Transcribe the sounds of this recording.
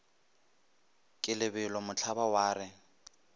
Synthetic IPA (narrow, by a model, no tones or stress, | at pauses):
kʼɪlɪbɪlɔmʊt͡ɬʰabawaːrɪ